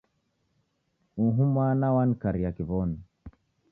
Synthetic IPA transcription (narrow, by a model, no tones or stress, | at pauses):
uɦumanawankaɾijakivɔn